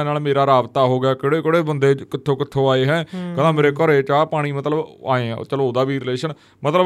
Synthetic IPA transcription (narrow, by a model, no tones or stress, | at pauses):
naːlmeːɾaːɾaːbt̪aːɦoːɡaːkɪɽeːkɪɽeːbənd̪eːkɪt̪ʰːõːkɪt̪ʰːõːaːeːɦɛ̃ːkəlãːmeːɾeːkəɾeːt͡ʃaːpaːɽ̃iːmət̪ləba̰ːẽːt͡ʃəloːd̪aːʋiːɾɪleːʃən | mət̪lə